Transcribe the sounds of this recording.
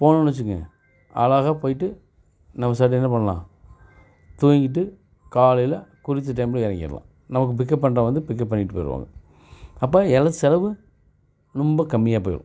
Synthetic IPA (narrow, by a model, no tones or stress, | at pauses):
poːnɐnɐt͡ʃːɯŋɡɐ̰ | ʔɐ̰ːlaːɣapoːjɪʈːɯ | nɐmːɐsaːʈ̬ːiɛnːɐpɐɳːɐlã̰ː | t̪uːjŋɡɪʈ̬ːɯ | kaːlɐjlɐkʊɾɪt̪ːɯʈ̬ɐɪmbɪlɛɾɐŋɡɪ̰ɾɐ̰lã̰ː | nɐmɐk̬ːɯp̬ɪk̬ːɐʈ̚pːɐɳɾãːʋɐnd̪ɯpɪk̬ːɐʈ̚pːɐɳːɪʈːɯpoːɪɾɯʋa̰ːŋɡɐ | ɐpːaːɛlɐðɯsɛɾɐʋɯ | nʊmbɐkɐmːɪjaːpoːjɪ̰ɾõ̰